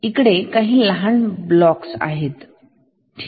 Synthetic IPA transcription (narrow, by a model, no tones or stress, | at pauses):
ikɽekaɦiːlaɦaɳblɔksa̰ɦet̪ːʰ